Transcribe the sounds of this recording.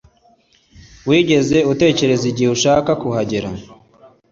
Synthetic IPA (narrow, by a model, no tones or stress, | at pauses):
wiːɟe̞ze̞ute̞ːce̞ɾe̞ziɟihuʃaːkakuhaɟeɾa